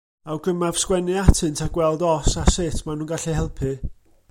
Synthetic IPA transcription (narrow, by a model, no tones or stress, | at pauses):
awɡəmav̥skwɛnɨatʰɨntʰaɡ̥wɛlˠdɔsasɪtʰmanuːnɡaɬihɛlˠpʰɨ